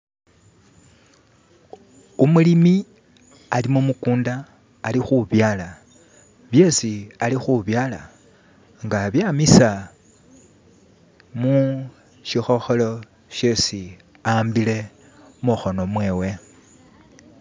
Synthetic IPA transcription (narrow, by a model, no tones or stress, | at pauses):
umulimi | alimomukuːndaː | lixuβjaːla | βje̞sialixuβjaːla̰ | ŋɡaβjamisa | mu | ʃixo̞xo̞lo̞ | ʃe̞si | ambile̞ | muxo̞no̞mwe̞ːwe̞